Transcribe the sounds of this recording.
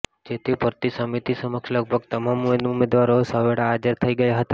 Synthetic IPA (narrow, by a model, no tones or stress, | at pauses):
d͡ʒet̪ʰipəɾt̪isəmit̪isəməkʃləɡ̚bʱəɡt̪əmamueumed̪ʋaɾosəʋeɽaːd͡ʒəɾt̪ʰəiɡəjaɦət̪a